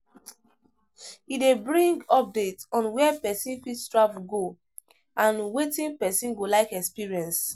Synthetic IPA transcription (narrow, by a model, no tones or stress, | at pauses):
idebɹĩŋɡɔp̚detɔ̃nwɛɛpɛsĩnfidstɹafɡo | ʔãnwetĩnpɛsĩnɡolaɪkɛkspiɹiɛ̃ns